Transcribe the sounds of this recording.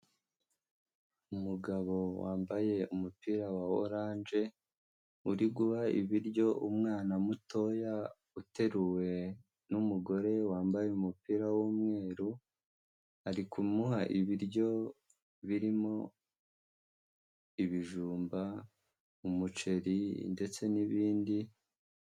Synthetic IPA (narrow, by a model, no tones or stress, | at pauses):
umuɡaβo̞wa̰ːmbaje̞umupiɾawao̰ɾaːnd͡ʒe̞ | uɾiɡuβaḭβiɾɟo̞ʔumŋaːnamuto̞ja | ute̞ɾuwe̞ | numuɡo̞ɾe̞waːmbajeumupiɾawuːmŋe̞ːɾu | haɾikumuɦaʔiβiɾɟo̞ | βiɾimo̞ | iβiʒuːmba | umut͡ʃe̞ɾinde̞t͡se̞niβiːndi